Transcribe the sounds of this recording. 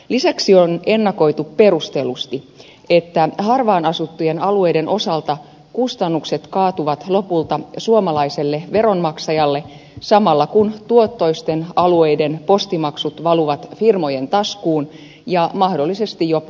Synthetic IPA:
lisæksione̞nːɑko̞it̪uppe̞rust̪elust̪i | et̪ːæhɑrʋɑːnɑsut̪ːujenɑlue̞jdenʔosɑlt̪ɑ | kust̪ɑnːukset̪kɑːt̪uʋɑt̪lo̞pult̪ɑsuomɑlɑiselːeʋe̞ɾonmɑksɑjɑlːe | sɑmɑlːɑkunt̪uot̪ːo̞ist̪enɑlue̞idenpo̞st̪imɑksut̪ʋɑluʋɑt̪firmo̞jent̪ɑskuːn | jɑmɑhdo̞lːise̞st̪ijjop

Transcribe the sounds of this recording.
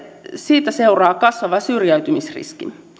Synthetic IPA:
siːt̪æse̞urɑːkɑsʋɑʋɑsyrjæyɥt̪ymisrḭskḭ

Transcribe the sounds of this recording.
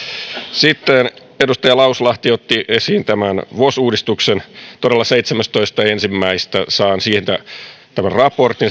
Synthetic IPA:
sit̪ːen | edust̪ɑjɑlɑuslɑht̪iot̪ːiʔesiːnt̪æmænʋosuːdist̪uksent̪odelːɑseit̪semæst̪oist̪ɑensimːæist̪æsɑːnsiːhent̪æt̪æmænrɑport̪in

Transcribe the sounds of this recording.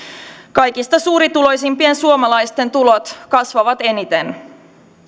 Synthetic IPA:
kɑjkist̪ɑsuːɾit̪ulo̞jsimpie̞nsuomɑlɑjst̪e̞nt̪ulot̪kɑsʋɑʋɑt̪e̞nit̪e̞n

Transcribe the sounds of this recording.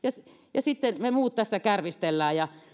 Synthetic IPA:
jɑs | jɑsit̪ːenmemuːt̪t̪æsːækærʋist̪elːæːjɑ

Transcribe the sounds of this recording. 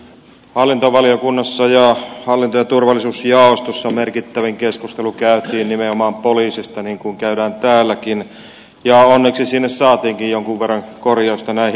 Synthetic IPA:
hɑlːint̪oʋɑliokunːɑsːɑjɑhɑlːint̪ojɑt̪urʋɑlːˑisuːsjɑˑost̪osːɑmerkit̪ːæʋiŋkeskust̪elukæˑyt̪iːnnimeomɑːmpoliːsist̪ɑniŋkuŋkæyɾæːnt̪æːlːækin | jɑonːeksisinːessɑːt̪iːŋkijjoŋkuʋʋerːɑŋkorjoˑost̪ɑnæi

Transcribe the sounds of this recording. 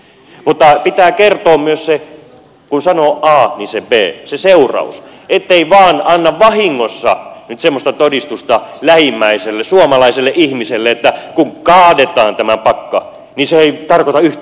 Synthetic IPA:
mut̪ːɑpit̪æːkert̪oːmmyøsse | kunsɑnoːʔɑːnisebeːseseurɑ̰ṵset̪ːeiʋɑːnɑnːɑʋʋɑhiŋːosːɑ̰nyt̪semːost̪ɑt̪odist̪ust̪ɑlæhimːæiselːesuɑmɑlɑiselːeʔihmiselːeet̪ːækuŋkɑːdet̪ɑːnt̪æmæpɑkːɑ | niseeit̪ɑrkot̪ɑyh

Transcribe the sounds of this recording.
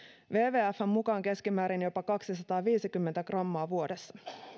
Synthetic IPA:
ʋe̞ːʋe̞ːæfːæmːukɑːŋke̞skimæːɾinjo̞pɑkɑksisɑt̪ɑːʋiːsikymːent̪ækrɑmːɑːʋuo̞de̞sːɑ

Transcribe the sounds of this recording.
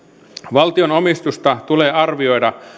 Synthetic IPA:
ʋɑlt̪io̞no̞mist̪ust̪ɑt̪uleːɑrʋio̞jdɑ

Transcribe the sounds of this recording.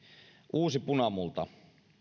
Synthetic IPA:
ʔuːsipunɑmult̪ɑ

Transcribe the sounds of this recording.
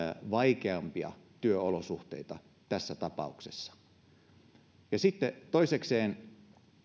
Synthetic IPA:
ʋɑikeɑmpiɑ̰t̪yøolosuht̪ḛit̪ɑ | t̪æsːæt̪ɑpɑ̰uksesːɑ̥ | jɑsit̪ːet̪oisekseːn

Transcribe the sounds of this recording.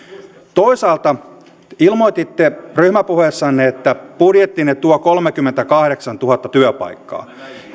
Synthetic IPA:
t̪o̞isɑːlt̪ɑ | ilmojt̪it̪ːeryhmæpuhesːɑnːeet̪ːæpudjet̪ːinett̪uokolmekymːent̪ækɑhɾeksɑnt̪uhɑt̪ːɑt̪yøpɑ̰jkːɑ̰ː

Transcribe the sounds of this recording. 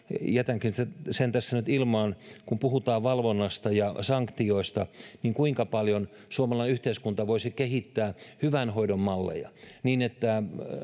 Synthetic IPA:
jæt̪æŋkinæsent̪æsːænyt̪ilmɑːnkumpuhut̪ɑːʋʋɑlʋonːɑst̪ɑjɑsɑŋkt̪ioist̪ɑniːŋkuiŋkɑpɑljon | suomɑlɑinyht̪eiskunt̪ɑʋoisikehit̪ːæːhyʋænhoidommɑlːḛjɑ̰niːnet̪ːæ

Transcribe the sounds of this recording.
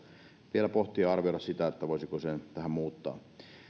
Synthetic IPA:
ʋielæpoht̪iɑrʋiolɑssit̪æet̪ːæʋoˑisikosent̪æhæmmuːt̪ːɑ̰ː

